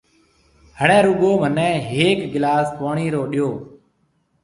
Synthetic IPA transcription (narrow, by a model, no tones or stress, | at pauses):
həɳɛ̃ːɾuɠoːmənɛ̃ːɦeːkɡɪlaːsk̪oːɳiːɾoːɗɪjoː